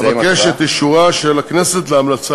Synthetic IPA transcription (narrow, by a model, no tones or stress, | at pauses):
vakeʃet̪jiʃuʁaʃelakneset̪leamlat͡sa